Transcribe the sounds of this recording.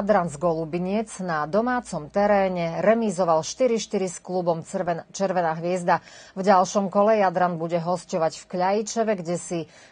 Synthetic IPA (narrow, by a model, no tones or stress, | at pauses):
d̪ɾanzɡɔlubiɲɪɛd͡znad̪ɔmaːt͡sɔmt̪ɛɾɛːɲɛɾɛmizɔʋalʃt̪iɾiʃt̪iɾisklubɔmt͡ʃɛɾʋɛnaːɦʋɪɛzd̪avɟalʃɔmkɔlɛjad̪ɾanbuɟɛɦɔscɔʋaɟfkʎajit͡ʃɔʋɛɡɟɛsi